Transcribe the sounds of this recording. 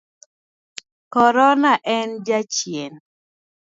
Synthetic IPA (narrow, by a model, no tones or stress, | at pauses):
kɔɾɔnaʔɛnd͡ʒat͡ʃjen